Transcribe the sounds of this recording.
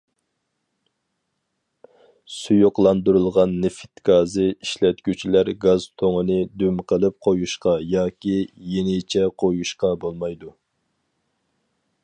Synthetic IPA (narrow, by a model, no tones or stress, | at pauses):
sujuqlˠɑnd̪uɾɨlˠʁɑnːɪfɪ̥t̪ɡ̥ɑːzɨiʃlɛt̪̚kʲyt͡ʃʰilæɾɡɑzt̪ʰoŋənɨd̪ymqʰəlˠɨp̚qʰojuʃqɑjɑːkʲijenɪt͡ʃʰɛqʰojuʃqɑbolˠmɑjd̪u